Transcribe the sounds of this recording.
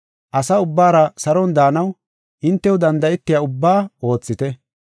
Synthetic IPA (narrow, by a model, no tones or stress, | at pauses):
ʔɐsɐʊbːaːɾɐsɐɾɔnd̪aːnɐw | ʔɪnt̪ːɛwʊd̪ɐnd̪ɐɛt̪ːɪjaʊbːaːo̞ːt͡sːɪt̪ɛ